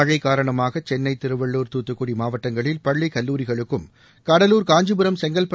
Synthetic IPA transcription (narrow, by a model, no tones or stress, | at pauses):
ɻɐɪkːaːɾɐɳɐmaːɣɐt͡ʃɛnːɐɪt̪ɪɾɯʋɐɭːuːɾt̪uːt̪ːɯkːuɽimaːʋɐʈːɐŋɡɐɭɪlpɐɭːikɐlːuːɾɪɣɐɭɯkːɯm | kɐɽɐluːɾkaːɲd͡ʒɯbɯɾɐmsɛŋɡɐlpɐ